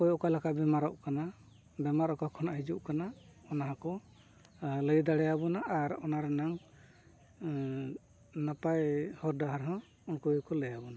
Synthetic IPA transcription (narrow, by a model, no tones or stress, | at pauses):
kɔjɔʔkalakabɛmaɾɔʔkana | bɛmaɾɔʔkakʰɔnaɦid͡ʒuʔkanaɔnaɦakɔ | ləjd̪aɽɛjabɔnaʔːɾɔnaɾɛnaŋ | napajhɔɾdaɦaɾɦɔ̃ | ɔnkɔjɔkɔləjabɔna